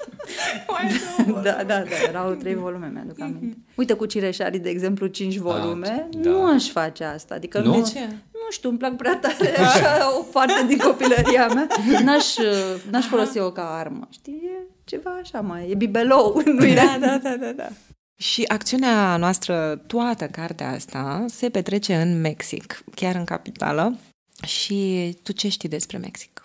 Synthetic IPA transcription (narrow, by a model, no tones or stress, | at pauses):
d̪ad̪a̰d̪ad̪ajeɾawt̪ɾejvo̞lume̞mja̰d̪uk̪amint̪e̞ujt̪əkut͡ʃiɾeʃa̰ɾid̪e̞ːɡze̞mplut͡ʃint͡ʃʲvo̞lume̞nuaʃfat͡ʃeast̪a̰aːd̪ikənut͡ʃenuʃt̪iumplak̚pɾat̪aɾe̞aaʃaopart̪ed̪iŋko̞piləɾiameanaʃənaʃfolo̞siokaarmə̰ʃt̪iwje | t͡ʃe̞vaːʃamajjebibelowɨnːued̪ad̪ad̪ad̪a̰ | ʃiʔak̚t̪siuneanoast̪ɾət̪uat̪əkart̪ea̰a̰st̪ase̞pe̞t̪ɾe̞t͡ʃe̞ɨnme̞ksḭkkʲjaɾɨŋka̰pit̪a̰lə | ʃit̪ut͡ʃe̞ʃt̪ijd̪e̞spɾe̞me̞̰ksi̥k